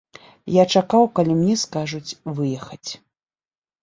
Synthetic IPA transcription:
jat͡ʂakawkalʲimnʲɛskaʐut͡sʲvɨjɛxɐt͡sʲ

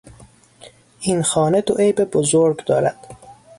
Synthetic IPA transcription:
ʔinxɒːne̞d̪oʔejbebozoɾɡd̪ɒːɾæd̪̥

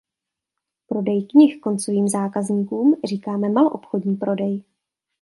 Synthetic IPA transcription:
pɾo̞dɛjkɲɪxko̞nt͡so̞viːmzaːkazɲiːkuːmr̝iːkaːmɛmaloʔopxodɲiːpɾo̞dɛj

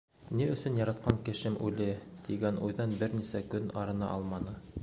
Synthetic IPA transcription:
niɵ̆sɵnjɑɾɑt̪̚qɑŋkɘ̆ʃɘmʔʉlɘt̪iɡænʔujðɑnbɘɾnisækɵnɑɾɤ̆nɑ̰ʔɑlˠmɑnɤ

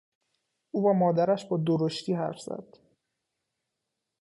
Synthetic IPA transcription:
ʔuːvæmɒːd̪æɾæʃbɒːd̪oɾoʃt̪ʰiːɦæ̰ɾfz̥æ̰d̪̥

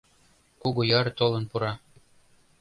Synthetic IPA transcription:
kuɣojɤrt̪olə̆npuɾɑ

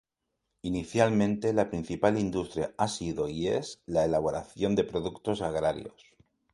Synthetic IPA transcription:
iniθjalmẽ̞nt̪e̞lapɾin̟θipalind̪ust̪ɾja̰asiðo̞iḛzlaelaβ̞o̞ɾaθjo̞nd̪e̞pɾo̞ðukt̪o̞saɣ̞ɾaɾjo̞̰s

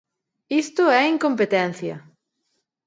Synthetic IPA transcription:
ist̪ʊɛiŋkompet̪ɛn̟θjɐ̰

